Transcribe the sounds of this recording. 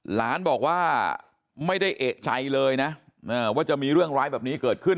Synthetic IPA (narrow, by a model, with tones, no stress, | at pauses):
la̰ː˦˥nbɔː˨˩k̚waː˥˩ | ma˥˩jda˥˩jʔeː˨˩k̚t͡ɕʰa˧jlɤː˧jna˦˥ | ʔaː˧˩waː˥˩t͡ɕa˨˩miː˧ɾɯ˥˩əŋɾaː˦˥jbɛː˨˩p̚niː˦˥kɤː˨˩t̪̚kʰɯ˥˩n